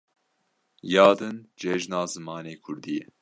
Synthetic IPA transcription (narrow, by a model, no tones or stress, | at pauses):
jɑːd̪ɨnd͡ʒɛʒnɑːzɨmɑːneːkʰʊɾd̪iːɛ